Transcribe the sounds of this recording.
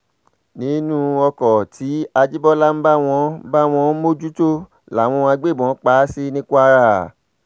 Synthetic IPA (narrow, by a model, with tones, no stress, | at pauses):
nĩ˨˦nũ˦ɔ˧kɔ˨tʰi˨˦a˧d͡ʒi˦bɔ˦la˦m̩˦ba˦w̃ɔ̃˧˦ba˦w̃ɔ̃˧˦mo˦d͡ʒu˦to˦ | la˨w̃ɔ̃˧a˧ɡ͡be˦˨bɔ̃˨˦k͡pa˨˦si˦nĩ˦ku˦a˧ɾa˦˨